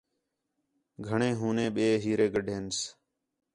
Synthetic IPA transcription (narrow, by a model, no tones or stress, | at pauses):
ɡʱəɳẽːɦũːnẽːɓeːɦiːɾeːɡəɖʱeːns